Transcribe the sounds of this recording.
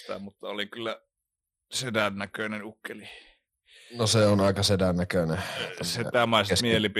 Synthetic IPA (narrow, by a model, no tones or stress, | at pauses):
t̪æ̰mut̪ːɑolikylːæ | sedænːækønenukːeli | noseonɑˑekɑsedænːækøneset̪æmɑˑisesmielip